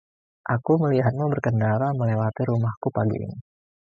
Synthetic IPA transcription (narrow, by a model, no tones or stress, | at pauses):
ʔakuməliɦat̪̚mubərkəndaɾaməlewat̪iɾumahkupaɡḭʔḭni